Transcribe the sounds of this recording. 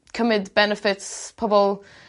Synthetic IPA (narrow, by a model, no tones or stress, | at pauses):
kʰəmɪdbɛnəfɪtspʰɔbɔlˠ